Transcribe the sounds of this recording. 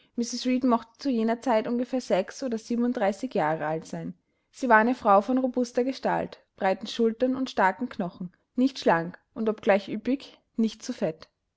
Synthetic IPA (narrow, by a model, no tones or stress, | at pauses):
mɪsɪsʁiːtmɔχtə̥t͡sujeːnɐt͡saɪtʔʊnɡəfeːɐz̥ɛksʔoːdɐziːbmnʊntd̥ʁaɪsɪçjaːʁəaltz̥aɪn | z̥iːvaɐaɪnəfʁ̥aʊfɔnʁobʊstɐɡəʃta̰lt | b̥ʁaɪtn̩ʃʊltɐnʊntʃtaɐkŋ̩kʰnɔχn̩ | nɪçtʃlaŋkʔʊntɔpɡ̥laɪçʔyːpɪç | nɪçtt͡sufɛt